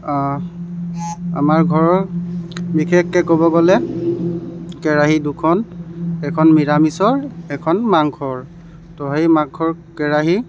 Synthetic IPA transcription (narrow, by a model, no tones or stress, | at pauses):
a | a̰maɹɡʱɔɹɔɹ | bikʰɛkːɛkobɔɡɔlɛ | kɛɹaɦidukʰɔnɛkʰɔnmiɹamisɔɹɛkʰɔnmaŋkʰɔɹ | tɔɦejmaŋkʰɔɹ | kɛɹaɦi